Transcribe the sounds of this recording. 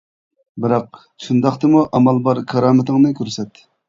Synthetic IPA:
bɨɾɑq̚ | ʃund̪ɑχt̪ɨmuʔɑmɑlˠbɑɾkʰɑɾɑːmɪt̪ɨŋnɨkʲʰøɾsɛt̪ː

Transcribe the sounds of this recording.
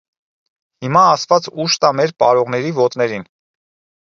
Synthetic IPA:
himɑːst̪vɑt͡suʃt̪ɑmɛɾpɑ̰ɾɔʁnɛɾivɔt̪nɛɾin

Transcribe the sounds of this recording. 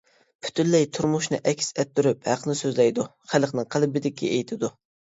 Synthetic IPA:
pʰy̥t̪ʰynlɛjt̪ʰuɾmuʃnɨ̰ʔɛkʲsɛt̪ːyɾyphæqʰnɨsøzlɛjd̪uχælˠqnɨŋqʰəlɪbɪd̪ɪkʲʰːḭejt̪ʰɪd̪u

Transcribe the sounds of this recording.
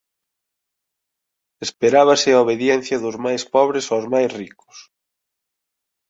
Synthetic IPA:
espeɾaβɐsɪaoβeðjɛn̟θjɐðʊzmajspɔβ̞ɾɪsawzmajsrikʊ̥s

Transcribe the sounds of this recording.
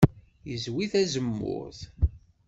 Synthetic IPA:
jəzwiθæzəmːʊ̰ɾθ

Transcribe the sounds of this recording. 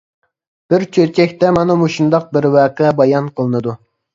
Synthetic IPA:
b̥ɪɾt͡ʃʰøɾt͡ʃʰɛkʲt̪ɛmɑnɑmoʃund̪ɑq̚bɪɾwæːqɛbɑjɑnqʰəlˠɨnɨd̪u

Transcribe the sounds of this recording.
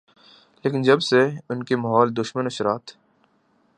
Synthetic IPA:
leːkɪnd͡ʒɐbseʊnkemɐɦɔːld̪ʊʃmənʊʃɾaːt̪ʰ

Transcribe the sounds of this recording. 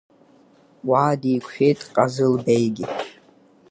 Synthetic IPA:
waːdijkʷʰħᶣejtʰʼqʼazɨlbejɡʲɪ

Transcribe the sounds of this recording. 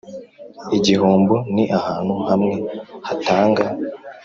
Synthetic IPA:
iɟiɦuːmbuniʔahaːn̥huhamŋe̞hataːŋɡa

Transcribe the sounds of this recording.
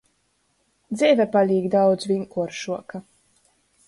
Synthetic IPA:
d̪zʲɛvʲɛpalʲiːɡd̪awd̪zvʲiŋkuɔɾʃuɔka

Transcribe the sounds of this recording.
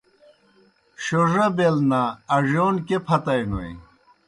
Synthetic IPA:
ɕoʐɐbelnaːʐoːnkepʰɐt̪ɐjnoḭ

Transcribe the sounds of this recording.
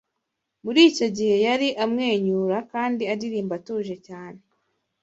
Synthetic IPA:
muɾiːco̞ɟihe̞jaɾiʔamŋe̞ːɲuːɾakaːndiaɾiɾiːmbatuːʒe̞caːne̞

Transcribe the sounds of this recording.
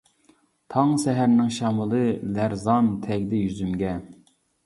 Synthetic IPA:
t̪ʰɑŋsɛɦæɾnɪŋʃɑmɨlˠɨlæɾzɑnt̪ʰɛɡʲd̪ɛjyzymɡʲɛ

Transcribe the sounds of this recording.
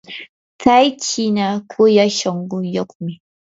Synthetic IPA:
tajt͡ʃinakʰʷojaʃɐŋɡujɐkʷmi

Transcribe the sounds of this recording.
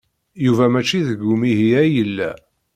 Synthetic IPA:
juvæmæt͡ʃːiðəɡumiɦijæjəlːæ̰

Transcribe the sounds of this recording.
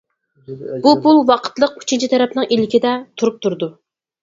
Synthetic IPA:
bupulˠwɑqʰə̥t̪lˠəq̚y̥t͡ʃʰint͡ʃʰit̪ʰɛɾɛpnɨŋilɪkʲɪd̪ɛt̪ʰuɾup̚t̪ʰuɾɨd̪u

